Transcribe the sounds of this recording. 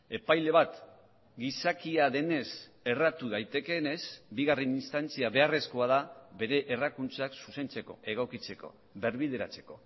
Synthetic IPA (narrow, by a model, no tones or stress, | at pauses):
e̞pajle̞β̞at̪ | ɡisakiaðe̞ne̞se̞rat̪uðajt̪e̞ke̞ne̞sbiɣareninst̪ant͡siaβe̞are̞sko̞að̞aβe̞ɾe̞ʔːrakunt͡saksuse̞nt͡se̞ko̞̰ʔe̞ɣokit͡se̞ko̞̰ | βe̞ɾβiðe̞ɾa̰t͡se̞̥ko̞